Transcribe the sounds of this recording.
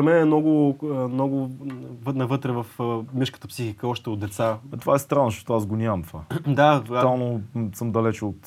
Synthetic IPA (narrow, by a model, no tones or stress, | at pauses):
zɐmɛnɛmnɔɡʊmnɔɡʊvnɐvɤt̪ɾɛvəfmʲiʃkə̥t̪əpsixikəɔʃt̪ɛod̪̚d̪ɛt̪sat̪ovaɛst̪ɾanːoʃɔt̪oasɡonʲaɐmt̪ovad̪aalˠnosəmd̪ɐlɛt͡ʃot̪